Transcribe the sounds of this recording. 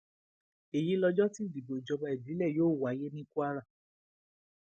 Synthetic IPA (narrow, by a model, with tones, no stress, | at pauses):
e˨ji˨˦lɔ˧d͡ʒɔ˦ti˦di˨bo˨i˨d͡ʒɔ˧ba˧i˨di˨˦lɛ˦˨joː˦˨wa˨˦je˦nĩ˦ku˦a˦ɾa˦˨